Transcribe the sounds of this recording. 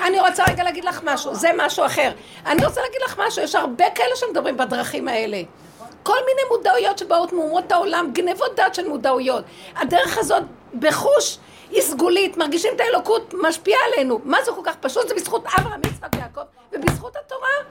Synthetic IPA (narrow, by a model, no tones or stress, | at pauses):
aniʁo̞t͡saʁeɡalaɡidlaχmaʃuzemaʃuaχe̞ʁ | aniʁot͡salaɡid̪laχmaʃujeʃhaʁbekaele̞ʃemed̪abʁimbadʁaχimae̞le̞ | ko̞lmine̞jmudaujo̞tʃebaotmeumo̞thaolamɡnevot̚d̪otʃelmudaujo̞t | adeʁe̞χazo̞t | beχuʃ | isɡulitmaʁɡiʃimetaelo̞kutmaʃpiaele̞numazukolkaχpaʃutzebisχutavʁamit͡sʁakbejako̞v | vebisχuthato̞ʁa